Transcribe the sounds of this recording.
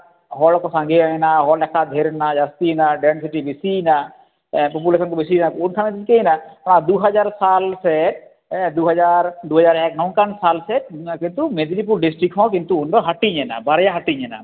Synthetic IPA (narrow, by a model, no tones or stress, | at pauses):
ɦɔlkɔsãŋɡeajnaɦɔlɛkʰad̪ʱeɾnad͡ʒast̪inaɖɛns̬iʈibisina | pɔp̬ulesɔnkɔbisinakunkʰanet̪iɲkejnaɔɽ̃ad̪uɦad͡ʒaɾsalsɛʈ̚ | d̪uɦad͡ʒaɾd̪uɦad͡ʒaɾɛknɔw̃kansalsɛʈ̚kint̪umed̪inip̬uɾɖisʈɾikɦɔ̃k̬int̪uunɖɔɦaʈiɲɛna̰baɾjaɦaʈiɲɛna̰